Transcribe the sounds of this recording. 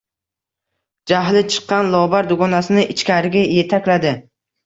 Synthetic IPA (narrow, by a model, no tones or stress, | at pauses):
d͡ʒaɦlɪt͡ʃʰɨ̥qːɑnlˠɒbaɾd̪ʊɡɒnasɪnɪʔɪt͡ʃkʲaɾɪɡʲaje̞t̪ʰakʲlad̪ɪ